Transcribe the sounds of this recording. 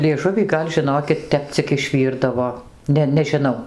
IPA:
lʲiɛˈʒʊʋʲiː ˈɡɐlʲ ʒʲɪˈnoːkʲɪt ˈtʲɛp t͡sʲɪk ɪʃʲˈʋʲiːrdɐʋoː ˈnʲɛ nʲɛʒʲɪˈnɐʊ

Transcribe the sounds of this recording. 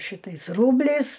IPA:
ˈʃʲɪtɐɪs ˈruːbʲlʲɛɪs

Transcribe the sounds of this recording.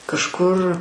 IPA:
kɐʃˈkʊr

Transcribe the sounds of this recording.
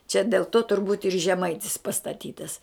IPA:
t͡ʃʲɛ dʲeːlˠ ˈtoː tʊrˈbuːt ɪr ʒʲɛˈmɐɪtʲɪs pɐstɐˈtʲiːtɐs

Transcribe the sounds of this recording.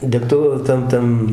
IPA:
dʲɛkˈtʊ ˈtɐm ˈtɐm

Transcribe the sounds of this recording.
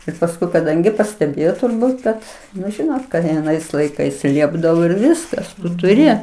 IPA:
ɪr pɐsˈkʊɪ kɐˈdɐŋʲɡʲɪ pɐsʲtʲɛˈbʲeːjoː tʊrˈbuːt kɐt nʊ ˈʒʲɪnoːt kɐɪ ɐˈnɐɪs lˠɐɪˈkɐɪs ˈlʲiɛbdɐʋoː ɪr ˈʋʲɪskɐs tʊˈrʲɪ

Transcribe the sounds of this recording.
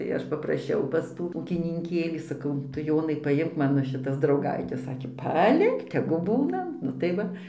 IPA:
tɐɪ ˈɐʃ pɐprɐˈʃʲɛʊ pɐs ˈtuː uːkʲɪnʲɪŋʲˈkʲeːlʲiː sɐˈkɐʊ ˈtʊ ˈjoːnɐɪ pɐˈjɪmk ˈmɑːnoː ʃʲɪˈtɐs drɐʊˈɡɐɪtʲɛs ˈsɑːkʲeː pɐˈlʲɪk tʲɛɡʊ ˈbuːnɐ nʊ tɐɪ ˈʋɐ

